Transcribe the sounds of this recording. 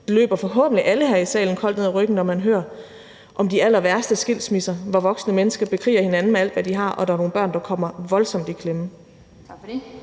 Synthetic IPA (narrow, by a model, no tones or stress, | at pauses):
d̥e̝lø̰ːb̥ɐfɒ̽ɦɔ̰ːb̥n̩liʔæləɦæɐisɛ̰ːln̩kʰɒ̽l̰d̥neð̰ˠæʁœɡ̥n̩nɒmænɦøːɐ | ʔɒ̽md̥iæl̰ɐʋæɐsd̥əsɡ̥el̰smisɐʋɒʋɒ̽ɡ̥snəmenəsɡ̥ɐb̥e̝kʰʁḭːɐhe̝nænn̩meæl̰d̥ʋæd̥iɦɑ̈ʔɒ̽d̥ɑ̈ɐno̝ːnb̥ɶɐ̰nd̥ɑ̈kʰɒ̽m̰ɐʋɒ̽lsɒ̽md̥ikʰlem